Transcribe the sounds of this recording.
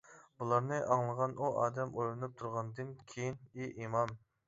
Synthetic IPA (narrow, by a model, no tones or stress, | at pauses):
bulˠɑɾnɨʔɑŋlˠəʁɑnʔuʔɑːd̪ɛmʔojlˠɨnɨp̚t̪ʰuɾʁɑnd̪ɨnkʲʰejiniʔimɑm